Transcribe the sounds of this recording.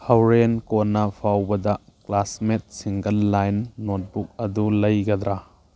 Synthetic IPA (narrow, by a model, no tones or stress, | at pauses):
hɐwɾenkonːɐpʰawbɐdɐklasmet̚siŋɡɐlːajnːot̚buk̚ɐdulɐjɡɐd̪ɾa